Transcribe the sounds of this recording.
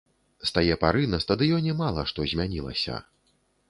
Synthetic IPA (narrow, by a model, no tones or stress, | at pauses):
st̪ajɛpaɾɨnɐst̪ɐd̪ɨjɔnʲɛmalˠɐʂt̪ɔzʲmʲanʲilˠɐ̰sʲɐ̰